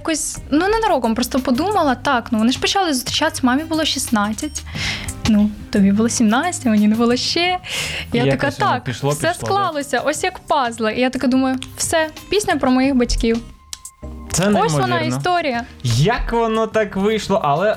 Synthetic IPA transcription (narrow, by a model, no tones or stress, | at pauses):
kɔsʲnunɐnɐɾɔkɔmpɾɔst̪ɔpɔd̪umɐlˠɐt̪ɑknuʋɔnɪʃpɔt͡ʃɑlˠɪzɔst̪ɾʲit͡ʃat̪e̥sʲmɑmʲibʊlˠɔʃʲisnɑt͡sʲːɐtʲnut̪ɔbʲibʊlˠɔsʲimnɑt͡sʲɐtʲʋɔnʲinɛbʊlˠɪʃt͡ʃɛjaɐkɛt̪ɑkʃˠsɛsklˠɑlˠɔsʲɐʔɔsʲjɐkpɑzlˠɐʔijat̪ɐkɛd̪umɐjʊwsɛpʲisʲnʲɐpɾɔmɔjixbɐtʲkʲiw | t̪sɛɔsʋɔnɑist̪ɔɾʲijɐjɐkʋɔnɔt̪ɑkʋɪjʃlˠɔʔɐlˠɛ